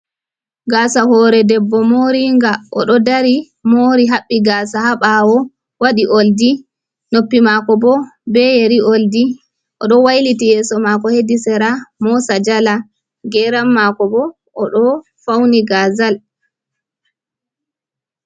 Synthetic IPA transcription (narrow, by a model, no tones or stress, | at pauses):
ɡaːsahɔɾɛdɛbːɔmoɾiŋɡaʔɔ̰ɗɔdaɾi | moɾiɦaɓːiɡaːsahaɓawɔ | waɗiʔoldi | nopːimakɔbɔbɛjeɾiʔoldi | ʔɔɗɔwajlitijɛːsɔmakɔhedisɛɾamɔsad͡ʒala | ɡɛɾamːakɔbɔː | ɗɔ | fawniɡaːzal